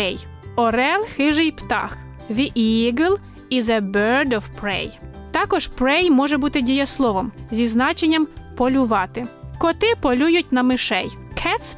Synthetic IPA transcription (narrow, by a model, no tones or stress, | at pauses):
ɛj | ɔɾɛlˠxɪʒɪjpt̪ɑ̰x | ʋʲiʔiɡɪlˠ | ɪzɐbɛɾd̪ɔwpɾɛ̰jt̪ɑkɔʒpɾɛjmɔʒɛbut̪ɪdʲijɐslˠɔʋɔmzʲiznɑt͡ʃenʲːɐmpɔlʲʊʋɑt̪ɪkɔt̪ɪpɔlʲujʊtʲnɐmɪʃɛj | kʰɛt̪s